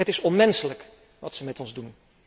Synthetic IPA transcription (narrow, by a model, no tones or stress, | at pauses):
ətɪsɔnmɛnsələk | ʋɑtsəmɛtɔnzdun